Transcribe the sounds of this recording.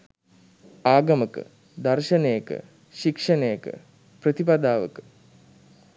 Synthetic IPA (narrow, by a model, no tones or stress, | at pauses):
aːɡɐməkə̰ | d̪ɐrʃɐnejəkə̰ | ʃikʂɐnejəkə̰ | prət̪ipad̪aːʋə̰kə̥